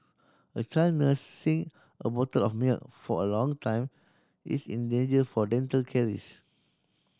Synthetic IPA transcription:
ət͡ʃanəsːĩŋ | əbɔtəlɔfmilk̚fɔəlɔ̃ŋtʰãj̃m | ḭsḭ̃ndẽnd͡ʒəfɔdɛ̃ntəlkʰɛɹḭs

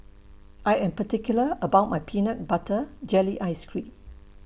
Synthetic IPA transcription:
ʔajɛ̃mpətikjuləəbawt̚majpʰinək̚batʰəd͡ʒɛliʔajskɹĩm

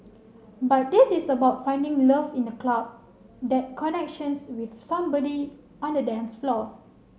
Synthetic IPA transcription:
bat̚disisəbaʊt̚fãɪ̃ndĩŋləfĩndəklab̚ | dɛt̚kʰɔnɛk̚ʃə̃nswiθsãmbɔdi | ɔ̃ndədɛ̃nsflɔ

